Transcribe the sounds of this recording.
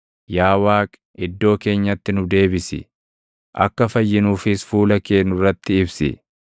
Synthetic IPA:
jaːwaːkʼ | ɪd̪ːo̞ːke̞ːɲːɐt̪ːɪnʊd̪e̞ːbɪsɪ̰ | ʔɐ̰kːɐfɐjːɪnuːfɪsfuːlɐke̞ːnʊrːɐt̪ːɪɪbsɪ̰

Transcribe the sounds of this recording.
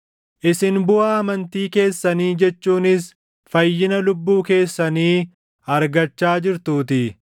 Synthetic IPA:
ʔɪsɪnbʊaːɐmɐnt̪iːke̞ːsːɐniːd͡ʒɛt͡ʃːuːnɪs | fɐjːɪnɐlʊbːuːke̞ːsːɐniː | ɐɾɡɐt͡ʃːaːd͡ʒɪɾt̪uːt̪ɪ

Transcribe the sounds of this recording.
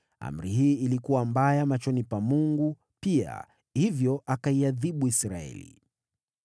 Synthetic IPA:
a̰m̩ɾiɦiːilikuwambajamat͡ʃɔnipamuŋɡu | pia̰ | hivjɔʔakaiaðiɓuisɾaɛ̰lḭ

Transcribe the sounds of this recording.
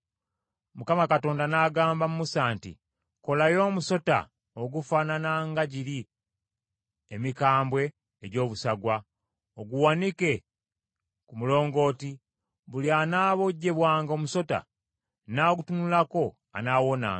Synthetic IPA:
mukamakato̞ːndanaːɡaːmbamumusaːntḭ | ko̞lajo̞ːmuso̞ta̰ | oɡufaːnanaŋɡaɟiɾi | emikaːmbwe̞ː | ɟo̞ːβusaɡwa | oɡuwanike̞ | kumulo̞ːŋɡo̞ːti | βulianaːβoɟːe̞βwaːŋɡo̞ːmuso̞ta̰ | naoɡutunulako̞ | a̰nawo̞na̰ŋɡ

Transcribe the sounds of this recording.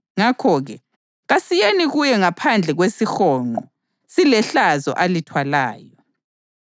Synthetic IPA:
ŋakʰɔɣɛ | ɣasijeniɣujɛŋapʰand͡ɮʱɛɣwesixɔːŋ͡ǃɔ | silɛɬazɔ̰ʔalitʰwalaːjɔ

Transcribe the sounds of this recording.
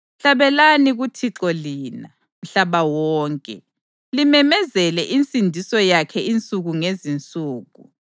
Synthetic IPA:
ɬaβɛlaniɣutʰiǁɔliːna | m̩ɬaβawɔːŋkʼɛ | limɛmɛzɛlɛʔint͡sʼindʱisɔjakʰɛint͡sʼuɣuŋezint͡sʼuːɣu

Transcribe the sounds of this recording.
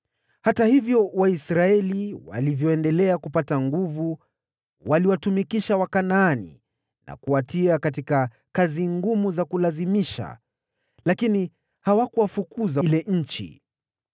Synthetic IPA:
hatahivjɔwaisɾaɛliwa̰livjɔɛndɛlɛakupataŋɡuvu | waliwatumikiʃawakanaanḭ | na̰kuwatiakat̬ika | kaziŋɡumuzakulazimiʃa̰ | lakini | hawakuwafukuzalɛʔɲ̩t͡ʃḭ

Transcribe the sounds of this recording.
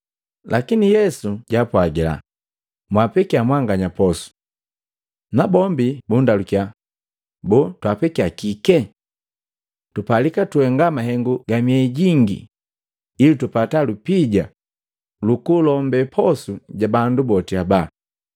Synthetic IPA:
lʔa̰kinijɛsuɟaːpwaɡɛla̰ | mwapɛkiamwaŋɡaɲapɔsu̥ | nabɔmbibundalukia | bɔtwapɛkiakikɛ | tupalikatuɛŋɡamaɦɛŋɡuɡamiɛɟiŋɡḭ | ilitupatalupiɟa | lukulɔmbɛpʰɔsuɟabandubɔtiaba

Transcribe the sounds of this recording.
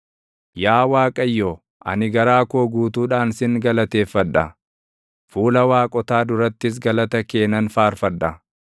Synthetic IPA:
jaːwaːkʼɐjːoː | ʔɐ̰nɪɡɐɾaːkoːɡuːt̪uːᶑaːnsɪŋɡɐlɐt̪e̞ːfːɐᶑɐ | fuːlɐwaːkʼɔt̪aːd̪ʊɾɐt̪ːɪs̬ɡɐlɐt̪ɐke̞ːnɐnfaːɾfɐᶑːɐ

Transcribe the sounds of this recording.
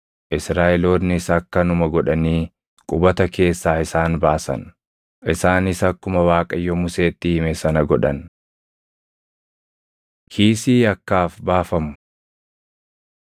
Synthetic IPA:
ʔɪsɾaːʔɛloːd̪nɪsɐkːɐnʊmɐɡɔᶑɐniː | kʼʊbɐt̪ɐke̞ːsːaːɪsaːnbaːsɐ̰n | ʔɪsaːnɪsɐkːʊmɐwaːkʼɐjːɔmʊse̞ːt̪ːɪhɪmɛsɐnɐɡɔᶑɐn | kʰiːsiːɐkːaːfbaːfɐmʊ̥

